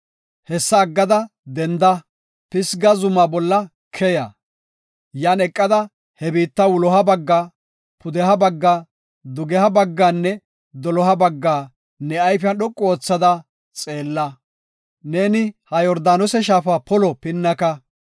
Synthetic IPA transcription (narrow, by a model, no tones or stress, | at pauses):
hɛsːɐːɡːɐd̪ɐ | d̪ɛnd̪ɐ | pɪsɡɐzʊmaːbɔlːɐ | kʰɛjɐ | jaːnɛkʼːɐd̪ɐ | hɛbiːt̪ːɐwʊlɔɦɐbɐɡːaː | pʊd̪ɛɦɐbɐɡːaː | d̪ʊɡɛhɐbɐɡːaːnːɛ | d̪ɔlɔɦɐbɐɡːaː | nɛɐjfɪɐnɗɔkʼːɔoːt͡sːɐd̪ɐ | t͡sʼe̞ːlːɐ | neːnɪhɐjɔɾd̪aːnɔsɛʃ̬aːfaːpɔlɔpɪnːɐkɐ